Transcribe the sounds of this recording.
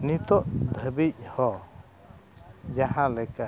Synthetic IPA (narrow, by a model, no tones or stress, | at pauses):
nit̪ɔʔd̪ʱəbic̚hɔ | d͡ʒahãlɛka